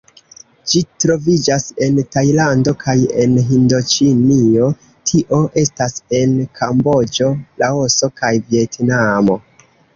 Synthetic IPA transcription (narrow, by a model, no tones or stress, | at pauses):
d͡ʒitɾo̞vid͡ʒase̞ntajlando̞kʰaje̞nɦindo̞t͡ʃinio̞ | tʰiʔo̞ʔe̞stase̞nkʰambo̞d͡ʒo̞lʔao̞so̞kajvie̞tnamo̞